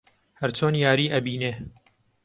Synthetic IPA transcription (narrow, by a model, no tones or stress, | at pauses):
hɐɾt͡ʃoːnjaːɾiːʔɐbiːneː